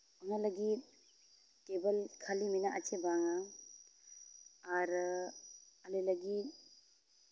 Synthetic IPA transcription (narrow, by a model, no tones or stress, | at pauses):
ɔnalaɡit | kebalkʰaliminaʔat͡ʃebaŋa | aɾ | alejlaɡi